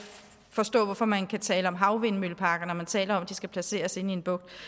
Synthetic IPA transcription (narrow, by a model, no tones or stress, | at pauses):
fɒ̽sd̥ɔ̰̽ːʋɒfɒ̽mænkʰæt͡sʰɛːləɒ̽mɦɑ̈ʊʋe̝nmylpʰɑ̈ːɡ̥ɐnɒmænt͡sʰɛːlɐɒ̽m̰d̥isɡ̥æpʰlæse̝̰ːɐse̝nie̝nb̥ɔ̽ɡ̥̚d̥